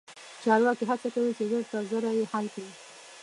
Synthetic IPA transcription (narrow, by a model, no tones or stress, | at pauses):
t͡ʃɑɾwɑkiɦat͡sakawit͡ʃezəɾt̪azəɾajehalkɽi